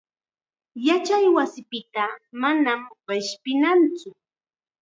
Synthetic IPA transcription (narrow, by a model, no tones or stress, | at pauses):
jat͡ʃajwasɪpɪt̪amanamɢɪʃpɪnant͡sʊ